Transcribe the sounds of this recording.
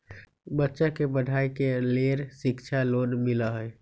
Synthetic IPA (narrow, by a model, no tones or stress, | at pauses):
bətːʃakebəɖʱaːikeleːɾsɪkt͡ʃʰaloːnmɪlaɦɛɛ